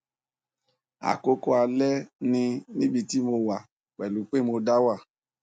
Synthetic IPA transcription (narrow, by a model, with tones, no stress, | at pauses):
a̰˨ko˦ko˦a˧lɛ˦nĩ˧nĩ˦bi˧ti˦mo˧wa˨ | k͡pɛ˨lu˨˦k͡pe˦mo˧da˦wa˦˨